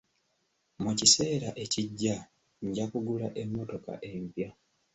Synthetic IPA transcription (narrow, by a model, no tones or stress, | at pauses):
mucise̞ːɾaʔe̞ciɟːa | ɲɟakuɡulaʔe̞mːo̞to̞ka̰ʔe̞mpja